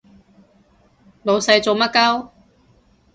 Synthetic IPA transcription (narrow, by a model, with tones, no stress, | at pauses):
lo˨˧wsɐ˧jt͡so˨wmɐ˥kɐ˥w